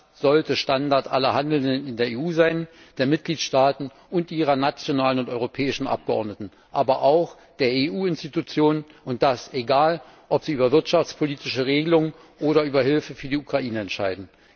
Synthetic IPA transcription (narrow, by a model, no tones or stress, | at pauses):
z̥ɔltəʃtandaɐtʔalɐhandl̩dənɪndeːɐeːuːzaɪn | d̥eːɐmɪt̚ɡ̥liːtʃtaːtn̩ | ʔʊntʔiːʁ̞ɐnat͡sjonaːlənʊntɔʏʁopʰɛːɪʃn̩ʔa̰p̚ɡ̥əʔɔ̰ɐdnətn̩ | ʔaːbɐʔaʊx | d̥eːɐeːʔuːɪnstitut͡sjoːnnʔʊnt̚d̥asʔeɡaːl | ʔɔpz̥iːʔyːbɐvɪɐtʃaft͡spʰoliːtɪʃəʁeːɡəlʊŋən | ʔoːɾɐʔyːbɐɦɪlfəfyːɐdiːukʁ̥aʔiːnəɛntʃaɪdn̩